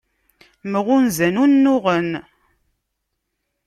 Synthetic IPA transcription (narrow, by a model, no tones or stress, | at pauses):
məʁʊnzænunːʊʁən